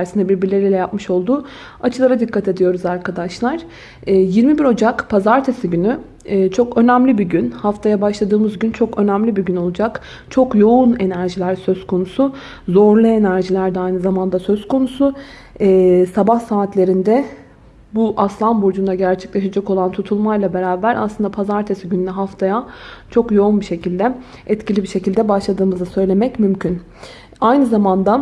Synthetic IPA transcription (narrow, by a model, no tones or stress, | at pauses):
æɾsinɛbiɾbiɾlʲeɾʲilʲɛjapmɯʃo̞lˠd̪u | at͡ʃʰɯlˠaɾad̪ikʰːat̪ʰe̞d̪ijo̞ɾuzaɾkʰad̪aʃlˠaɾ̥ | ɛːjiɾmibiɾo̞d͡ʒakpʰazaɾt̪ʰesiɟynyː | t͡ʃʰo̞kø̞næmlʲibiɟynhaft̪ʰajabaʃlˠad̪ɯːmɯzɟynt͡ʃʰo̞kø̞næmlʲibiɟyno̞lˠud͡ʒak | t͡ʃʰo̞kjo̞une̞næɾʒilʲæɾsø̞z̥kʰo̞nusu | zo̞ɾlˠɯe̞næɾʒilʲæɾd̪ɛajnɯzamand̪asø̞zkʰo̞nusu | sabahsaːt̪lʲe̞ɾind̪ɛ | buʔaslˠanbud͡ʒund̪aɟæɾt͡ʃʰɛ̥clʲe̞ʃad͡ʒako̞lˠant̪ʰut̪ʰulˠmajlˠabe̞ɾaːbæɾʔa̰slˠɯnd̪apʰazaɾt̪ʰesiɟynlʲɛɦaft̪ʰajat͡ʃʰo̞kjo̞unbiʃe̞cʰilʲd̪ɛ | ɛt̪cʰilʲibiɾʃe̞cilʲd̪ɛbaʃlˠad̪ɯːmɯzɯsø̞jlʲemɛcmymcʰyn | ajnɯzamand̪a